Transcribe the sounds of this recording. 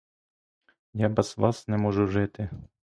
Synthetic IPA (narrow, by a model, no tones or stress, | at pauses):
jɑbɛz̥ʋɑsnɛmɔʒuʒɪt̪ɪ